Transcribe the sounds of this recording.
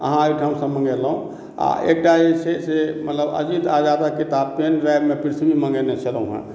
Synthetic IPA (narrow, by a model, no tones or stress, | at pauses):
ə̰ɦãeiʈʰamsə̃mə̃ŋɡelɦũ | a̰ʔek̚ʈaet͡ʃʰesemət̪ləbə̰d͡ʒit̪ad͡ʒad̪akit̪apenɾaebmepɾit̪ʰbimə̃ŋɡenet͡ʃʰəlũɦã̰